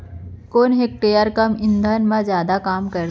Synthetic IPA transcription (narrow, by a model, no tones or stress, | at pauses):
koːnɦek̚ʈeːjəɾkɐmɪ̃nd̪ʱanmãzjaːd̪akaːmkɐɾ